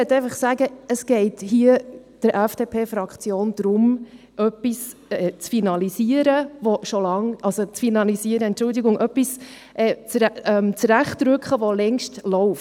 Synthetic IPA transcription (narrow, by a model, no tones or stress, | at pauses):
ɪɛt̪ɛɪfɑχsæɡəəsɡ̥ɛɪthiə | d̥əɾʔɛfd̥eːpʰeːfɾɑkt͡sjoːnd̥̪ɾʊm | ʔœpːisɛt͡sfinɑlisiəɾəʋɔʃolɑŋʔɑlsot͡sfinɑlisiəɾəɛntt͡ʃʊldiɡʊŋʔœpːis | ʔɛt͡sɾɛmt͡sɾæχtɾʉkχəʋɔlɛŋʃtlɔʊf